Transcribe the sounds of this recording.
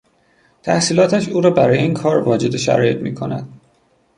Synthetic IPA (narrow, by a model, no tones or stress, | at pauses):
t̪ʰæhsiːlɒːt̪ʰæʃuːɾɒːbæɾɒːjeiːnkʰɒːɾvɒːd͡ʒe̞d̪e̞ʃæ̰ɾɒ̰ːje̞t̪mḭːkʰo̞næ̰d̪̥̚